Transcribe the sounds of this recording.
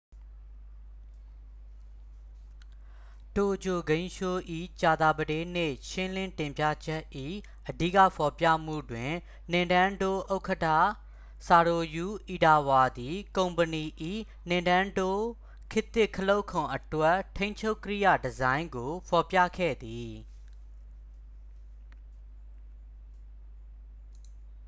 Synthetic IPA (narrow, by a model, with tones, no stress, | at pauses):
to˨d͡ʑo˨ɡẽ˦ɪ̃ʃo˦ʔḭ˦˨t͡ɕa˨d̪a˨bədẽ˦n̥ḛ˦˨ʃɪ̃˦lɪ̃˦ntɪ̃˨mpja̰˦˨d͡ʑɛ˦ʔʔʔḭ˦˨ | ʔədi˦˨ka̰˦˨pʰɔ˨pjä̰˦˨m̥ṵ˦˨dwɪ̃˨ | nɪ̃˨ndã˦ndo˦ʔo˦ʊkʰətʰa̰˦˨ | sa˨ɾo˨ju˨˦ʔi˨da˨wa˨d̪i˨kõ˨ʊ̃mpəni˨ʔḭ˦˨ | nɪ̃˨ndã˦ndo˦ | kʰɪ˦t̪ɪ˦˨kʰəlo˦ʊkʰʊ̃˨ʔətwɛ˦tʰẽ˦ɪ̃ɲt͡ɕʰo˦ʊkːə˦ɹḭ˦˨jä̰˦˨dəzã˦ɪ̃ŋɡo˨pʰɔ˨pja̰˦˨kʰɛ̰˦˨d̪i˨